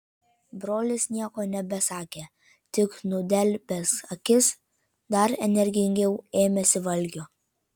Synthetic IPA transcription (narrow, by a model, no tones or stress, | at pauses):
bɾoːlʲɪsnʲiɛkoːnʲɛbʲɛsɑːkʲeː | t̪ʲɪknʊd̪ʲɛlʲpʲɛsɐkʲɪs | d̪ɐɾɛnʲɛɾʲɡʲɪŋʲɡʲɛʊeːmʲɛsʲɪʋɐlʲɡʲoː